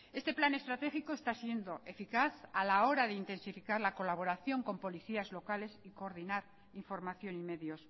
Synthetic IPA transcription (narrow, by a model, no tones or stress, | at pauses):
e̞st̪e̞plane̞st̪ɾat̪e̞xikoest̪asje̞nd̪o̞ʔe̞fikaθalao̞ɾaðeint̪e̞nsifikaɾlako̞laβo̞ɾaθjo̞ŋko̞mpo̞liθiazlo̞kale̞siko̞ːɾðinaɾ | iɱfo̞ɾmaθjo̞nime̞ðjo̞s